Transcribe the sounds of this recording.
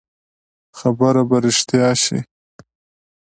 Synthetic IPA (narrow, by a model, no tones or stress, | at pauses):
xabəɾabaɾɪʂt̪jɑːʃḭ